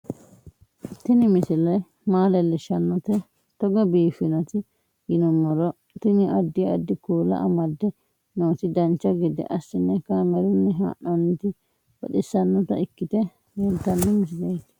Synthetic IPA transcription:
t̪ɪnɪmɪsɪlɐj | maːlɐlɛʃɐnːɔt̪ɛ | t̪ɔɡɐbiːfɪnɐt̪ɪ | jɪnɔmɔɾɔ | t̪ɪnɪʔɐd̪ːɪjɔɐd̪ːɪkuːlɐ̰ʔɐmɐd̪ːɛ | noːt̪ɪd̪ɐnt͡ʃːɐɡɛd̪ɛ̰ʔɐsːɪnːɛkamɛɾʊnːɛɦa̰ːʔɔnːɪt̪ɪ | bɔ̰ɗɪsːɐnːɔt̪ɐ̰ɪkːɪt̪ɛ | jɛnt̪ːɐnːɛmɪs̬ɪlɐjt̪ɪ̥

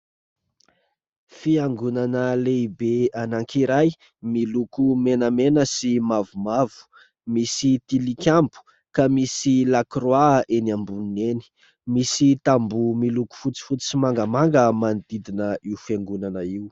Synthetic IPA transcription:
fiaŋɡunanəleibeanaŋkiɾaj | milukumenəmenəsimavumavu̥ | misit̪ilikʲambu̥ | kamisilakrwaʔenambuneni̥ | misit̪ambumiluku̥fut͡si̥fut͡sisimaŋɡəmaŋɡəmand̪̥id̪inəiufaŋɡunanəiu

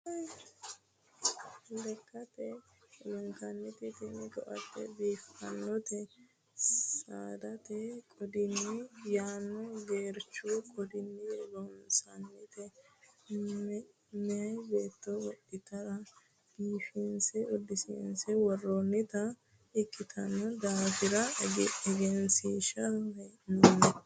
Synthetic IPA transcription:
lɛkːɐt̪ɛ | lɛŋkɐnːɪt̪ɪt̪ɪnɪk̪ɔʔɐ̰t̪ːɛ̰biːfɐ̰nːɔt̪ɛ | saːd̪ɐt̪ɛkʼɔd̪ɪnːɪjaːnːɔɡe̞ːɾt͡ʃːukʼɔd̪ɪnːɪlɔmsɐnːɪt̪ɛ | mɛbe̞ːt̪ːɔwɔʔːɪt̪ɐɾɐ | biːfinsɛɔd̪ɪsḭːnsɛwɔrːɔnːɪt̪ɐ | ɪkʼːɪt̪ʰɐnːɔd̪aːfɪɾɐɛɡɛɡɛnsiːʃɐɛnnːɛ

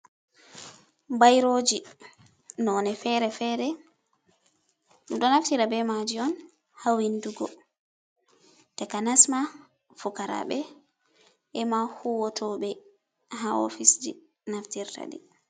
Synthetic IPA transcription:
bajɾod͡ʒi | nɔnɛfɛɾɛfɛɾɛ | ɗuɗɔnaftiɾabɛmad͡ʒiɔn | hawinduɡɔ | tɛkanasma | fukaɾa̰ɓɛ | ɛmahuwɔtʰɔbɛ | ɦaɔ̰fisd͡ʒi | naftiɾta̰di

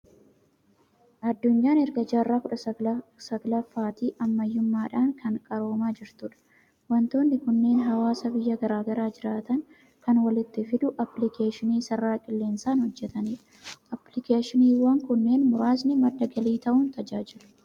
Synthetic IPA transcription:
ʔɐd̪ːʊɲːaːnɛɾɡɐd͡ʒaːrːaːkʊᶑɐsɐɡlɐfːaːt̪iːʔɐmːɐjːʊmːaːᶑaːŋkʰɐŋkʼɐɾo̞ːmaːd͡ʒɪɾt̪ʊᶑɐ̥ | wɐnt̪o̞ːnːɪkʊnːe̞ːnɦɐwaːsɐbɪjːɐɡɐɾaːɡɐɾaːd͡ʒɪɾaːt̪ɐŋ | kɐnwɐlɪt̪ːɪfɪd̪ʊʔɐplɪkeːʃɪniːsɐrːaːkʼɪlːe̞ːnsaːnhɔd͡ʒːɛt̪ɐniːᶑ | ʔɐplɪkeːʃɪniːwɐŋkʊnːe̞ːnmʊɾaːsnɪmɐd̪ːɐɡɐliːt̪ɐʔʊːnt̪ɐd͡ʒaːd͡ʒɪlʊ̥

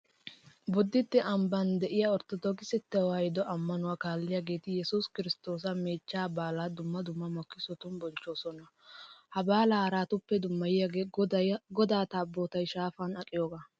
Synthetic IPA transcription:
bʊd̪ːɪt̪ːɛʔɐmbɐnd̪ɛʔɪjaɔɾt̪ɔd̪ɔɡɪsɛt̪ːɛwaːjɪd̪ɔʔɐmːɐnʊwaːkaːlːɪjaɡe̞ːt̪ɪjɛsʊskɪɾɪst̪o̞ːs̬ɐmeːt͡ʃːaːbaːlaːd̪ʊmːɐd̪ʊmːɐmɔkːɪsɔt̪ʊmbɔnt͡ʃːo̞ːsɔnɐ | hɐbaːlahɐɾaːt̪ʊpːɛd̪ʊmːɐjɪjaɡeːd̪ɐɡɔd̪aːt̪aːbːoːt̪ɐjʃaːfanɐkʼɪjoːɡaː

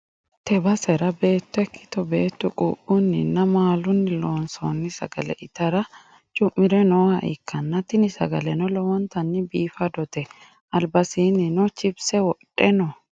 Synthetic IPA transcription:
t̪ɛbɐsɛɾɐbe̞ːt̪ːɔɛkːɪ̥t̪ɔbeːt̪ːʊkʼṵːʔʊnːɪnːɐmaːlʊnːɪloːnsoːnːɪsɐ̰ɡɐlɛ̰ʔɪt̪ɐɾɐ | t͡ʃʼʊmːɪɾɛnɔːhɐʔɪ̰kːɐnːɐt̪ɪnɪsɐ̰ɡɐlɛnɔlɔwɔnt̪ɐnːɪbiːfɐd̪ɔt̪ɛ | ɐlbɐsiːnɪnɔt͡ʃɪbsɛwɔᶑɛnɔ

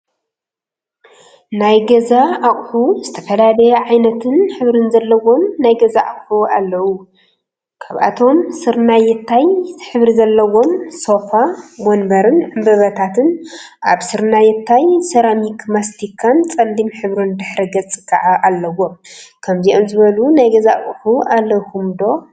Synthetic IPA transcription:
najɡɐzaʔːχʼħuzɨt̪ʰɐfɐlalɐjɛʕajnɐt̪ʰɨnħɨβɾɨnzɐlːɐwo̞mnajɡɐzaʔaχʼħua̰lːɐwu | kʰaβʔa̰t̪ʰo̞msɨɾnajɪt̪ʰːajħɨβɾizɐlːɐwo̞mso̞famonbɐɾɨnʕɨmbɐβɐt̪ʰat̪ʰɨn | ʔaβsɨɾnajɪt̪ʰːajsɐɾamikmast̪ʰikʰːant͡sʼɐnd̪imħɨβɾund̪ɨħɾɐɡɐt͡sʼɨ̥kʰːaʕaʔalːɐwo̞mkʰɐmziʔomzɨβɐlunajɡɐzaʔχʼħuʔalːɐhumd̪o̞

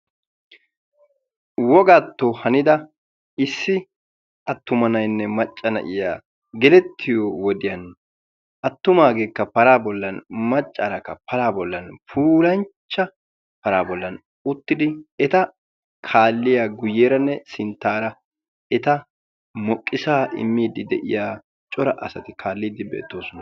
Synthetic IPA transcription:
wɔɡaːt̪ːohɐnɪd̪ɐ | ɪsːɪ | ɐt̪ːʊmɐnɐjnːɛmɐt͡ʃʼːɐnɐ̰ʔɪjaː | ɡɛlɛt̪ʰːɪjowɔd̪ɪjɐn | ʔɐt̪ːʊmaːɡe̞ːkːɐpɐɾaːbɔlːɐnmɐt͡ʃʼːaːɾɐkːɐ̰pɐɾaːbɔlːɐnfuːlɐnt͡ʃːɐ | pɐɾaːbɔlːɐn | ʊt̪ːɪd̪ɪɛt̪ɐ | kʰaːlːɪjaɡʊjːeːɾɐnːɛsɪnt̪ːaːɾɐ | ɛt̪ɐ | mɔkʼːɪsaːʔɪ̰mːiːd̪ɪd̪ɛʔɪ̰jaː | t͡ʃʼɔɾɐʔɐ̰sɐt̪ɪkʰaːlːiːd̪ɪbḛːt̪ːoːsɔnɐ

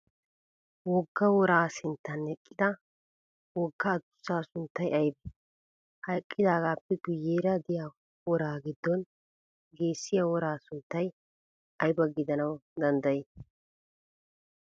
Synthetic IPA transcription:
wɔɡːɐwɔɾaːsɪnt̪ːɐnhɛkʼːɪd̪ɐ | wɔɡːɐːd̪ʊ̥sːaːsʊnt̪ːɐjɐjbɛ | hɐjkʼːɪd̪aːɡaːpːɛɡʊjːeːɾɐd̪ɪjaː | wɔɾaːɡɪd̪ːɔn | ɡe̞ːsːɪjawɔɾaːsʊnt̪ːɐj | ɐjbɐɡɪd̪ɐnɐwd̪ɐnd̪ɐjeː

